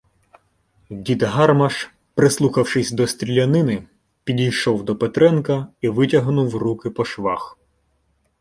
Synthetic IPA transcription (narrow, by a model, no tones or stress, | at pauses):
dʲid̪ɦɑrmɐʃ | pɾɪslˠuxɐwʃɪsʲd̪ɔst̪ɾʲilʲɐnɪnɪ | pʲidʲijʃɔwd̪ɔpet̪ɾɛnkɐiʋɪtʲɐɦnuwrukɪpɔʃʋɑ̰x